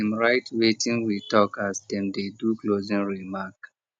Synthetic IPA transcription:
mɹaɪtwetĩŋwitɔkasdɛ̃mdeduklozĩŋɹimak

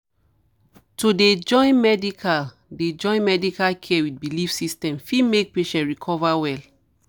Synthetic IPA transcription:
toded͡ʒɔ̃ɪ̃nmɛdikʰal | ded͡ʒɔ̃ɪ̃nmɛdikalkʰɛɛwit̚bilifsistɛ̃mfimek̚peʃɛ̃ntɹikʰɔvawɛl

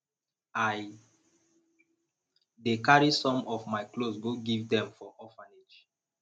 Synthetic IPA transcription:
aj | dekaɹisɔ̃mɔvmaɪklosɡoɡivdɛ̃mfɔʔɔfãned͡ʒ

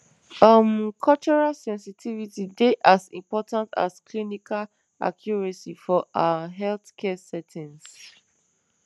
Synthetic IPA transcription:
amkʰɔlt͡ʃɔɹalsɛ̃nsitʰivitideʔasḭ̃mpɔtãnta̰sklinikal | a̰kʰjɔɹɛsifɔʔaɦɛlθkʰɛsɛtʰĩns

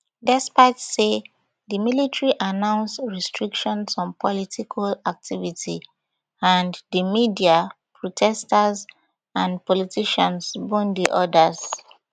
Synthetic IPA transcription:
dɛspaɪtse | ðəmilitɹiʔanãʊ̃nsɹɛstʰɹikʃɔ̃nsɔ̃npʰɔlitikʰalak̚tʰivitʰi | ãndəmidia | pʰɹɔtʰɛstəz | ãnpɔlitʰiʃɔ̃nsbõndiʔɔdəz

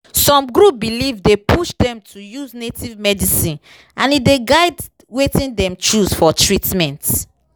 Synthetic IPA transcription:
sɔ̃mɡɾup̚bilivdepʰuʃdɛ̃mtʰujuznetivmɛdisĩn | ʔãnideɡaɪd | wetĩndɛ̃mt͡ʃusfɔtɹitmɛ̃nt

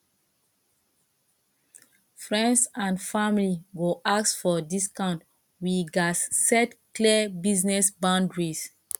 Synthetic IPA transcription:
fɹɛ̃ndsãnfamliɡoʔaksfɔdiskãnt | wiɡasːɛtkliəbiznɛsbãndɹis

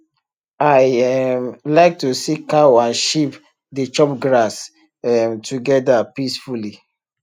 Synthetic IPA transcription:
aɪɛmlaɪk̚tusikawãnʃip | det͡ʃɔp̚ɡɹas | ɛmtuɡɛdapisfuli

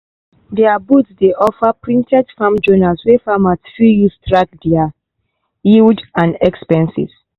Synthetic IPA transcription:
dɛabutsdeʔɔfapɹĩntʰɛdfãmd͡ʒonaswɛfamatfijustɹak̚dia | ildãnɛkspɛ̃nsḭs

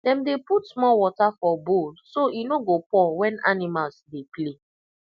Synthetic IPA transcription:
dɛ̃mdeputsmɔwɔtafɔbolsoinoɡopɔ̃wɛ̃nanimalsdeple

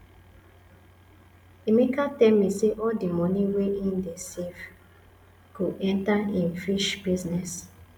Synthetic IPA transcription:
imikatɛlmiseʔɔldimɔ̃nĩweĩndesif | kuɛ̃ntaĩnfiʃbiznɛs

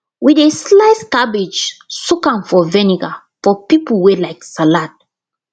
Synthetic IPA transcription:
wideslaɪskabid͡ʒsukãnfɔvɛniɡa | fɔpipəl̩ˠwɛlaɪksalat̚

